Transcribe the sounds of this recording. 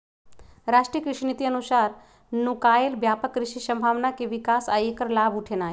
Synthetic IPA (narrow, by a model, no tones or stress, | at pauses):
ɾaːʃʈɾijəkɾɪʃinit̪iənusaːɾ | nukaːelbjaːpəkɾɪʃisɐ̃mbʱaːʋnakeʋɪkaːsaːekəɾlaːbuʈʰenaːɦe